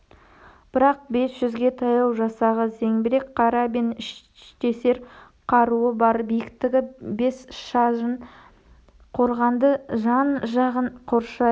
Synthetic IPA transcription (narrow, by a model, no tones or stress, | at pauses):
b̥ɪɾɑq̚be̞sʒ̥ʏzɡʲe̞t̪ʰɑjɑw̪ˠʒɑsɑʁəze̞ŋbɪɾe̞kqʰɑɾɑbe̞nɪʃ | t̪e̞se̞ɾ | qʰɑɾuəbɑɾbijɪkt̪ɪɡʲɪbe̞sʃɑʒən | qʰo̞ɾʁɑnd̪əʒɑnʒɑʁəɴqʰoɾʃɑ